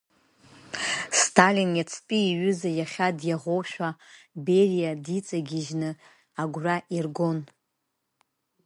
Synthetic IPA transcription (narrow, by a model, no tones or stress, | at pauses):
stʰalinjat͡sʰpʼiːɥʏzajaχʲadjaʁʷowʃᶣaberijadit͡sʼaɡʲiʒnɨ | aɡʷraʔirɡon